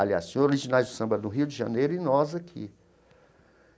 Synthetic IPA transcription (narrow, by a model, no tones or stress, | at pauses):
alia̰sõzoɾiʒinajzd̪ʊsɐ̃bɐnʊɦiwd͡ʒɪʒɐ̃nejɾʊinɔzɐkʰɪ̰